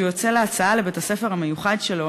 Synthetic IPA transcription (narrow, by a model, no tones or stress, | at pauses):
ujot͡seleat͡saale̞bet̪asefeʁhame̞juχadʃelo